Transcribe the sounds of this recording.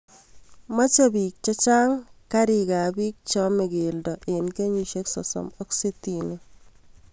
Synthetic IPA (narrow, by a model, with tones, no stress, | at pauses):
ma˦t͡ʃebi˨k̚t͡ʃa˦t͡ʃaː˦ŋkaɾika˨biː˦k̚t͡ʃɔme˨ɡeldɔ˨ʔenke˦ɲiʃe˦ksɔ̰˨sɔ̰˨mɔ˦kse˦tine